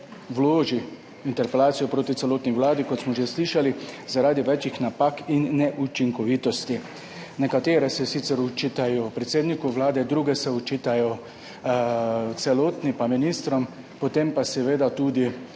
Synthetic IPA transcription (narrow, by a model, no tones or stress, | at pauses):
wloːʒi | int̪ɛɾpɛlaːt̪sijɔpɾoːt̪it̪ɛloːt̪niʋlaːd̪ikɔt̪smɔʒesliʃalizaɾaːd̪iʋɛt͡ʃixnapakinːɛʔut͡ʃiŋkɔʋit̪ɔst̪i | nɛkat̪eːɾɛsɛsit̪sɛɾut͡ʃit̪ajɔpɾɛt̪seːd̪nikuʋlaːd̪ɛd̪ɾuːɡɛsɛut͡ʃit̪ajɔ | t̪sɛloːt̪nipaminist̪ɾɔm | pɔt̪empasɛʋeːd̪at̪uːd̪i